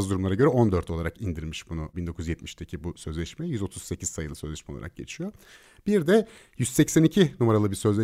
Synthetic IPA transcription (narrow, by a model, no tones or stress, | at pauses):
zd̪uɾumlaɾaɟø̞ɾɛo̞nd̪øɾt̪ʰo̞lˠaɾakind̪iɾmiʃbunubind̪okʰujyzjɛt̪mi̥ʃt̪ʰecʰibusø̞zlʲɛʃmɛjyzo̞t̪ʰuz̥se̞cʰiz̥sajɯlˠɯsø̞zlʲɛʃmɛolˠa̰ɾa̰k̚ɟe̞̰t͡ʃʰijo | b̥iɾd̪ɛ | jyz̥sɛcsænicʰinumaɾalˠɯbiɾsø̞zlʲɛ